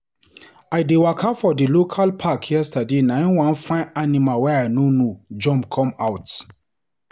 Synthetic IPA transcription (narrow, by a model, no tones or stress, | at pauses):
aɪdewakʰafɔdilokʰalpʰakʰjɛstadenãɪ̃nwãnfãɪnanimalwɛaɪnonod͡ʒɔ̃mpkʰɔ̃maʊt